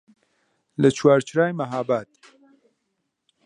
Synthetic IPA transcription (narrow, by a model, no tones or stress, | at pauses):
lɐt͡ʃʰwaːɾt͡ʃɾaːjmɐɦaːbaːt̪̚